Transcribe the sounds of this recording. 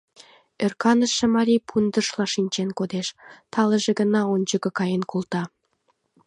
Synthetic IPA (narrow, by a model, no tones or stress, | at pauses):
ørkɑnəʃːĕmɑɾʲipʰund̪əʃlɑʃinʲt͡ɕenkod̪eʃt̪ɑleʒeɡənɑonʲt͡ɕəkɤ̆kɑjenkult̪ɑ